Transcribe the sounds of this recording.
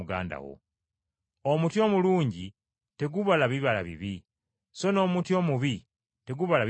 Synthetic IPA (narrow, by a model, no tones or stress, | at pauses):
uɡa̰ːnda̰wo̰ | omutjo̞ːmuluːɲɟi | te̞ɡuβalaβiβala̰βḭβi | so̞no̞ːmutjo̞ːmuβi | te̞ɡuβalaβ